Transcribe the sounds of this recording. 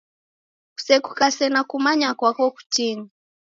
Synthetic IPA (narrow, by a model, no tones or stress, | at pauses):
ku̥sɛkukasɛnakumaɲakwakɔku̥t͡ʃini